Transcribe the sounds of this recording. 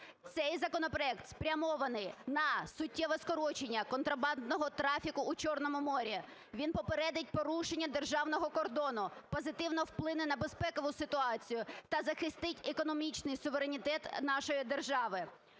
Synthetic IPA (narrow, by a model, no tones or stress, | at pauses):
t̪sɛjzɐkɔnɔpɾɔɛk̚t̪spɾʲɐmɔʋɐnɪjnɐsʊtʲːɛʋɛskɔɾɔt͡ʃenʲːɐkɔnt̪ɾɐbɑnd̪nɔɦɔt̪ɾɑfʲikʊːt͡ʃɔrnɔmʊmɔɾʲi | ʋʲinpɔpeɾɛd̪et̚ʲpɔɾuʃenʲːɐd̪e̞rʒɑwnɔɦɔkɔrd̪ɔnʊpɔzɪt̪ɪwnɔwplˠɪnɪnɐbespɛkɔʋʊsɪt̪ʊɑt͡sʲijʊt̪ɐzɐxɪst̪ɪtʲekɔnɔmʲit͡ʃnɪjsʊʋeɾenʲit̪ɛt̪nɑʃɔjid̪erʒɑʋɪ